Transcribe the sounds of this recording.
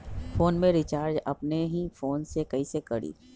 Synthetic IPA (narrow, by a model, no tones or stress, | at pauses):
foːnmẽɾɪt͡ʃaːɾd͡ʒɐpneɦifoːnsekɐisekɐɽḭː